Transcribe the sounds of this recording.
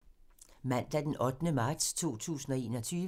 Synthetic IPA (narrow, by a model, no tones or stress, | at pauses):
mæn̰d̥æɐd̥enʔɒ̽d̥nəmɑ̈ːd̥st͡sʰo̝̰ːt͡sʰṵːsn̩ɒ̽e̝̰ːnɒ̽t͡sʰyː